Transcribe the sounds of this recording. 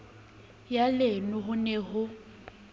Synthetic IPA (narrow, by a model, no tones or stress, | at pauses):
jalenʊɦʊnɛɦʊ